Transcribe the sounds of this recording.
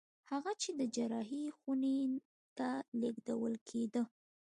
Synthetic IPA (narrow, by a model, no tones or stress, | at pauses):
haɣat͡ʃed̪əd͡ʒaɾɑɦixune | t̪aleɡd̪awəlkʰed̪ə